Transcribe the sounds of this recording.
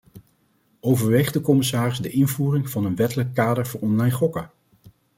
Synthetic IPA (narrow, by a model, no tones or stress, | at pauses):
owvəɹʋejχdəkɔmɪsaːrɪzdəʔɪnvuːrɪŋvɑnənʋɛtələkːaːdəɹvʊːɹɔnlɑjnχɔkə